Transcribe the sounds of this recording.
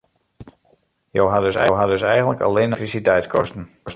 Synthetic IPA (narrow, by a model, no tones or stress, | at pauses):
jowɦadøsɛ̰wɦadøsɛjɣənləka̰leːnətrisitɛjtskʰɔ̰stən̩